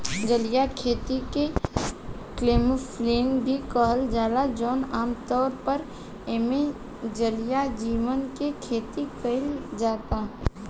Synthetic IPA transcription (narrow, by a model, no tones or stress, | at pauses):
d͡ʒəlɪjakʰeːt̪ike | kleːmfleːnbʱikəɦəld͡ʒaːlad͡ʒɔːnaːmt̪ɔːɾpəɾ | eːme | d͡ʒəlɪjad͡ʒiːʋənkekʰeːt̪ikəɪld͡ʒaːt̪aː